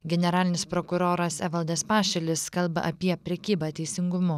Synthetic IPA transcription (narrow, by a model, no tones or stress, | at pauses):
ɡʲɛnʲɛɾɑːlʲɪnʲɪspɾɔkʊɾoːɾɐsɛʋɐlˠd̪ʲɛspɑːʃʲɛlʲɪskɐlˠbɐ̰ʔɐpʲiɛpʲɾʲɛkʲiːbɑːt̪ʲɛɪsʲɪŋɡʊmʊ